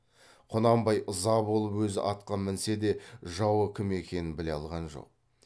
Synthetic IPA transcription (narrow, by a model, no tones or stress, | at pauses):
qʰonɑmbɑjʔəzɑbo̞lˠəpwɵzɪ̰ʔɑt̪qɑmɪnse̞d̪e̞ʒɑwəkʲʰɪme̞kʲe̞nɪnbɪleɑlˠʁɑnʒo̰q̚